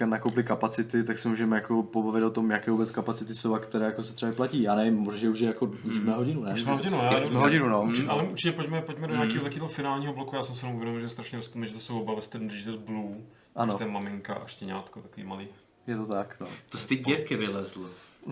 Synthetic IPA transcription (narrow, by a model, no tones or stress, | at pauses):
kanakowplɪkapat͡sɪt̪ɪt̪aksɛmuːʒɛmɛjako̞pobavɪt̪ot̪omjakɛːvubɛt͡skapat͡sɪt̪ɪso̞wakt̪ɛɾɛːjakosɛt̪r̥ɛaɪplaciːjaːnɛvɪmmoʒʒɛuʒjɛjakomɛːɦoɟɪnunɛmːɦoɟɪnuaɛmːɦoɟɪnunouʔalɛuɾt͡ʃɪcɛpoɟmɛpoɟmɛdoɲaːiːɦot̪akoid̪lofɪnaːlɲiːɦoblokujaːsɛmsɪjɛnomuvjɛdomɪlʒɛst̪ɾaʃɲɛost̪umɛʒɛt̪osowobavɛst̪ɛdndɪʒt̪ɛt̪blu | ʔanot̪ɛmamɪŋka̰ʔa̰ʃcɛɲa̰ːt̪kot̪akovḭːmaliː | jɛt̪ot̪aknot̪ost̪ɪɟɛkɪvɪlɛzl